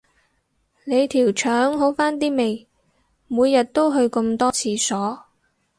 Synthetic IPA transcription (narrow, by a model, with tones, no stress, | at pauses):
ne˨˧jt̪ʰiː˨˩wt͡ʃʰœː˨˥ŋɦo˨˥wfaː˥nt̪̬iː˥me˨j | muː˨˧jːɐ˨t̚t̪o˥wɦɵ˧ɥkɵ˧mt̪ɔː˥t͡sʰiː˧sɔː˨˥